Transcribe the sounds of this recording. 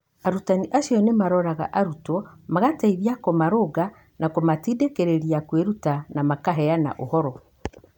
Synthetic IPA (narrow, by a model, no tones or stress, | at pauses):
aɾutaniʔaʃiɔnemaɾɔɾaɣa̰ʔaɾutɔmaɣataiβjakomaɾoɡa | nakomatiːdekeɾeɾiakweɾutanamakaɦɛana̰ʔo̰hɔɾɔ